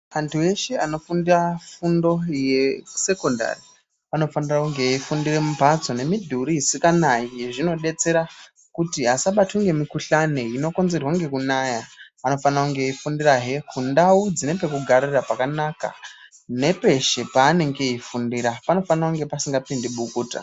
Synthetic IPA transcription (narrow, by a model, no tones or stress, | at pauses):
antʰue̞ʃe̞ano̞fundirafundo̞jese̞ko̞nda̰ri | ano̞fanirakuŋɡe̞ifundiremupat͡so̞ne̞midʱuɾiisikanaijeʐino̞ɗe̞t͡se̞ɾa | kutiasaɓatʰuŋɡe̞mikuɬane̞ino̞ko̞nze̞rwaŋɡe̞kunaja | ano̞fanirakuŋɡe̞ifundiraɦe̞kʰundawud͡zine̞p̬e̞kuɡʱaɾirapakanaka̰ | ne̞pe̞ʃe̞paːne̞ŋɡe̞ifundiɾapano̞fanirakuŋɡe̞pasiŋɡapindiɓukuːta̰